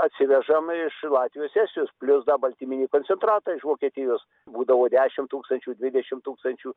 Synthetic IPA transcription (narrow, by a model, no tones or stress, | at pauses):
ɐt̪ʲsʲɪʋʲɛʒɐmɪʃlˠɑːt̪ʲʋʲɪjoːssʲæːsʲɪjoːspʲlʲʊsd̪ɐbɐlʲt̪ʲimʲɪnʲiːkoːnʲt͡s̪ʲsʲɛnt̪ɾɑːt̪ɑːɪʃʋoːkʲiɛt̪ʲɪjoːs | buːd̪ɐʋoːd̪ʲæːʃʲɪmt̪uːkst̪ɐnʲt͡ʃʲuːd̪ʲʋʲɪd̪ʲɛʃʲɪmt̪uːkst̪ɐnʲt͡ʃʲuː